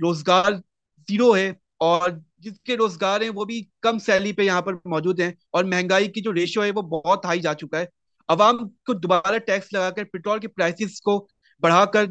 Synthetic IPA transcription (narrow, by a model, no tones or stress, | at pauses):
ɾoːzɡaːɾ | ziːɾoɦɛ | ɔːɾd͡ʒɪskeɾoːzɡaːɾɦɛ̃ʋobʱikɐmsɛːlipejɐɦãpɐɾmɔːd͡ʒuːd̪ɦɛ̃ | ɔːɾmɛɦɛ̃ŋɡaːikid͡ʒoːɾeːʃoɦɛʋobɔɦt̪ːaːid͡ʒaːt͡ʃʊkaɦɛː | ɐʋaːmkod̪ʊbaːɾaʈɛːkslɐɡakɐɾpɪʈɾoːlkepɾaːɪsɪzko | bɐɽ̤akɐɾ